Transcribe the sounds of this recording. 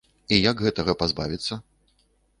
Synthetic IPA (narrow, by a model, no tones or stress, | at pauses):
ijaɡɣɛt̪ɐɣɐpazba̰vʲit̪sːɐ